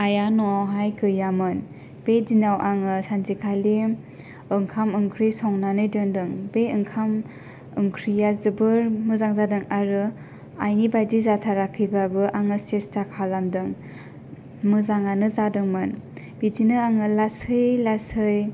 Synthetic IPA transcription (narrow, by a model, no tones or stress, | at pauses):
ajanɔawɦajkʰɯjamɯn | b̥edinawʔaŋɯsanzikʰali | ɯŋkʰamɯŋkʰɾisɔŋnanɯjdɯndɯŋbeɯŋkʰam | ɯŋkʰɾijazɯbɯɾmɯzaŋzadɯŋaɾɯ | a̰jnibajdizatʰaɾakʰːibabɯʔaŋɯsestʰakʰalamdɯŋ | mɯzaŋanɯzadɯŋmɯn | b̥idinɯaŋɯlashɯjlashɯj